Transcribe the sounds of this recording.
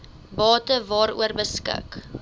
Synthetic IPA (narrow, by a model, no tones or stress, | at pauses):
bɑːtəvɑːɾṵərbəskɪ̰k